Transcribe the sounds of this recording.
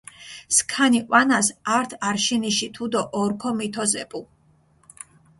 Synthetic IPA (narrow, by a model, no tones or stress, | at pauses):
skʰaniqʼwanasaɾt̪ʰaɾʃiniʃit̪ʰud̪ɔʔːɾkʰɔmit̪ʰɔzɛpʼu